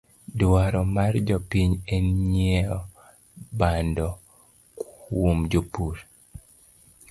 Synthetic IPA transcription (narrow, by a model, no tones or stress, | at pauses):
dwaɾɔmard͡ʒɔpiɲeɲɛɔ | bandɔ | kwwomd͡ʒopuɾ